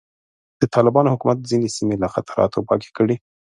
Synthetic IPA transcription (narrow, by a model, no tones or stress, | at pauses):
d̪̥ət̪ʰɑlɪbɑnohʊkumat̪̚zinesimelaxat̪aɾɑ̰t̪opɑ̰ke̥kəɽi